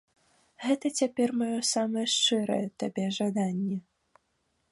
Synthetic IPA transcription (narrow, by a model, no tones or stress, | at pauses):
ɣɛt̪ɐt͡sʲapʲɛrmajɔsamɐjɛʂt͡ʂɛɾɐ̰jɛt̪abʲɛʐad̪anʲːɛ